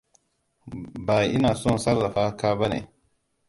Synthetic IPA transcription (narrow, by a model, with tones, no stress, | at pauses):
ba˨i˦na˨so˦n˨sa˦ɾːa˨fa˦ka˦ba˦nḛ˨